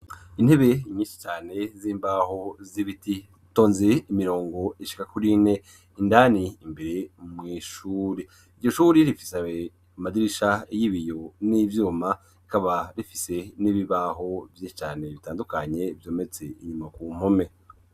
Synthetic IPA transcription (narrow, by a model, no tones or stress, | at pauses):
in̥he̞βe̞imɲiːʃi̥t͡ʃaːne̞ziːmbaːho̞ziβiti | to̞ːnzeimiɾo̞ːŋɡo̞iʃi̥kakuɾine | indaniːmbe̞ɾe̞mŋiːʃuːɾe | iɾɟo̞ʃuːɾeɾifi̥sa | madiɾiʃajiβijo̞nivjuːma | ikaβaɾifise̞niβiβaːɦo̞vjiʃit͡ʃaːneβitaːndukaɲe̞vjo̞ːme̞t͡se̞ḭɲumakuːm̥ome̞